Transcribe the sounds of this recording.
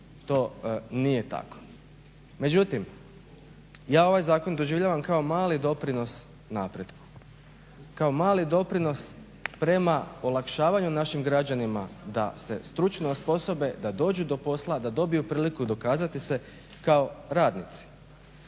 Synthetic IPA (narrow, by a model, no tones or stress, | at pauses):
t̪o̞ːnije̞t̪a̰ko̥ | me̞d͡ʑut̪im | jaːo̞ʋajzaːko̞nd̪o̞ʒiʋʎaːʋamkao̞maːlid̪o̞pɾino̞s | napɾed̪ku̥ | kao̞maːlid̪o̞pɾino̞s | pɾe̞maolˠakʃaːʋaɲunaʃimɡɾad͡ʑanima̰d̪a̰se̞̰st̪ɾut͡ʃnospo̞so̞be̞d̪ad̪o̞ːd͡ʑud̪o̞po̞slˠad̪ad̪o̞bijupɾiːlikud̪o̞kaːzat̪ise̞ | kao̞ɾaːd̪nit̪si̥